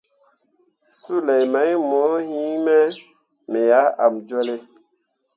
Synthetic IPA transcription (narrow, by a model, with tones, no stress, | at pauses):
su˦lɛ˨jma˨˦jmɔ˨˦hĩ˦mɛ˦ | me˨ja˨˦a˨md͡ʒwɛ˦le˦